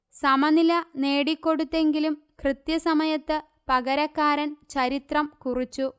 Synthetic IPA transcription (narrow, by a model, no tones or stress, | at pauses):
sɐmɐnilɐne̞ːɽikːo̞ɽut̪ːe̞ŋɡilumkrɨt̪jɐsɐmɐjɐt̪ːɨ | pɐɣɐɾɐkːaːɾɐnt͡ɕɐɾit̪rɐmkurit͡ɕːu